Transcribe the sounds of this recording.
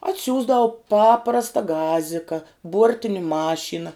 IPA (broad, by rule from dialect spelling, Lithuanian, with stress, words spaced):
ɐtʲˈsʲuːzdɐʊ ˈpɑːprɐstɐ ˈɡɑːzʲɪkɐ ˈbuɔrʲtʲɪnʲɪ ˈmɑːʃʲiːnɐ